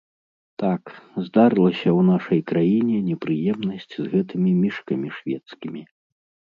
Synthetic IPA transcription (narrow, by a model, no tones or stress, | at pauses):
t̪akzd̪aɾɨlˠɐsʲɐwn̪aʂɐjkɾajinʲɛnʲɛpɾɨjɛmnɐsʲt͡sʲzɣɛt̪ɨmʲimʲiʂkɐmʲiʂvʲɛt̪skʲimʲi